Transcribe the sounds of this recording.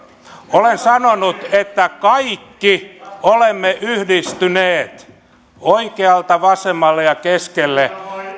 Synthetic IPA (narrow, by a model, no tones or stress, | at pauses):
olensɑnonut̪et̪ːækɑikːiolemːeʔyhdist̪yneːt̪ | oikeɑlt̪ɑʋɑsemːɑlːejɑkeskelːe